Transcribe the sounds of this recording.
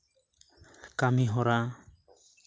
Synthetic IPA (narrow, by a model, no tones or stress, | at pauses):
kamiɦɔɾa